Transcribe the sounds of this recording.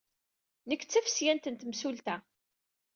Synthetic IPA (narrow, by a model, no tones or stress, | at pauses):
nəkːt͡sːæfə̥sjænt̪ənt̪msult̪æ